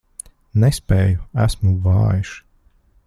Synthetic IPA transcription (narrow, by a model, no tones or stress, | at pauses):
nɛspɛːjuæsmuvɑ̰ːjiʃ